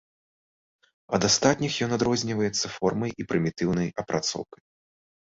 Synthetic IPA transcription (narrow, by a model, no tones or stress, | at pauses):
ɐd̪ast̪at̪ʲnʲixjɔnad̪ɾɔzʲnʲivɐjɛt̪sːɐfɔrmɐjipɾʲɨmʲit̪ɨwnɐjɐpɾʔat̪sɔ̰wkɐj